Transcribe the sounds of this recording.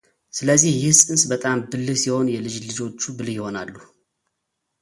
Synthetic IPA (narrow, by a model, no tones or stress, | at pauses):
sɨləzːihjɪhsʼɨnsbət̪ʼambɨlːɨsiho̞njɛlɨd͡ʒlɨd͡ʒo̞t͡ʃːubɨlhjɪho̞nalːu